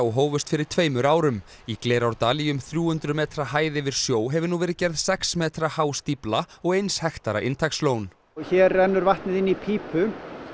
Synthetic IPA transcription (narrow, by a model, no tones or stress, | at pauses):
wɦoːwvʏst̪fɪɾɪɾ̥t̪ʰveːjmʏɾaːwɾʏm | ikleːɾawɾt̪aːliʏmθɾjuːhʏnt̪ɾʏmɛːt̪ɾaɦaːjðɪvɪɾ̥sjoːwɦɛvʏnuvɛːɾɪcɛɾðsɛksmɛːt̪ɾahaːwst̪iplaɔɣejnshɛxt̪aɾa̰ʔɪnt̪ʰajksloːwn | çɛɾːɛnːʏɾvaht̪nɪðɪnːipʰiːpʰʏ